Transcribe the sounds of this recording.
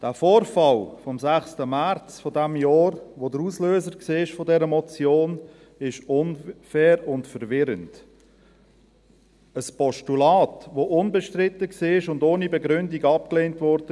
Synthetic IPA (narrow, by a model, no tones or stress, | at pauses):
d̥æːfoːɾfɑlfɔmsæχstəmæɾt͡sfɔdɛmjɑːɾʋodəɾusløːzəɾkseːɪʃfɔdɛɾəmɔt͡sjoːn | ɪʃʊnfɛːɾʊntfəɾvɪɾənd | əspɔʃtulɑːtʋoʔʊnbɛʃtɾɪtːəksiːɪʃʊndoːnibɛɡɾʏndiɡɑp̚kleːntvɔɾdə